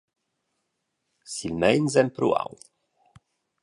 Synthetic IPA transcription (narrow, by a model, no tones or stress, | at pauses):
silmɛjnzɛmpɾṵa̰w